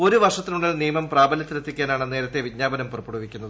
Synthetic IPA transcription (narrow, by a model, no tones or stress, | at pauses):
o̞ɾuʋɐrʂɐt̪ːinuɭːɐlniːmɐmpraːbɐlɐt̪ːiɾet̪ːikʲːaːnaːɳenːe̞ːɾɐt̪ːe̞ʋid͡ʑɲaːbɐnɐmpurɐpːuɽuʋikʲːunːɐðɨ